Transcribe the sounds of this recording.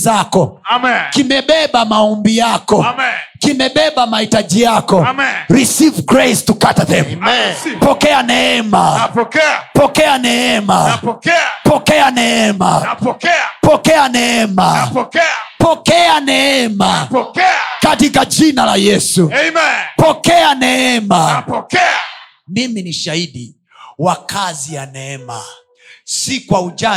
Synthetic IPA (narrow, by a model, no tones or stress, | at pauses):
zakɔkimɛɓɛɓamaɔmbijakɔkimɛɓɛɓamahitad͡ʒijakɔɾisivɡɾajstukatðɛmpɔkɛanɛɛma | pɔkɛanɛɛma̰ | pɔkɛanɛɛma̰ | pɔkɛanɛɛma | pɔkɛanɛɛma | katikad͡ʒinalajɛsupɔkɛanɛɛma | miminiʃaiɗi | wakazijanɛɛma | sikwaud͡ʒa